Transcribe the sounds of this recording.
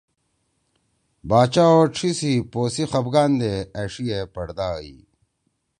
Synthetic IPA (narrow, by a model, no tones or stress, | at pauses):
baːt͡ɕaoʈ͡ʂʰisipoːsixɐbɡaːnd̪eɐʂiepɐɽd̪aːḭ